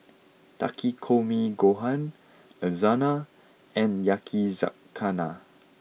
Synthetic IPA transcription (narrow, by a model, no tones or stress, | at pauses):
ta̰kʰikʰomiɡoɦãn | əzana | ɛ̃njakʰiza̰ | ana